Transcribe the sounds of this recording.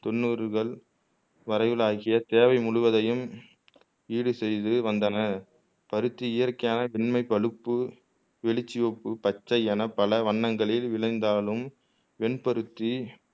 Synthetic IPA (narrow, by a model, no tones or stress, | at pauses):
t̪ɔnːuːɾɣɐɭ | ʋɐɾɐɪʋɪlaːɣɪjɐt̪eːʋɐɪmʊɻʊʋɐðɐjɯm | iːɽɯsɛjðɯʋɐnd̪ɐnɐ | pɐɾɯt̪ːiɪjɐrkɐjaːnɐʋɛɳmɐɪpːɐɭɯpːɯ | ʋɛɭɪt͡ʃːɪʋɔpːɯpɐt͡ʃːɐɪɐnɐpɐlɐʋɐɳːɐŋɡɐɭɪlʋɪɭɐɪnd̪aːlɯm | ʋɛɳpɐɾɯt̪ːi